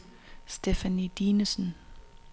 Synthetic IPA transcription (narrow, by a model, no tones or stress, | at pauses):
sd̥efænid̥iːnəsn̩